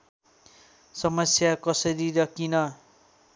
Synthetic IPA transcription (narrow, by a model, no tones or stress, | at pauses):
sʌmʌsjakʌsʌɾiɾʌkinʌ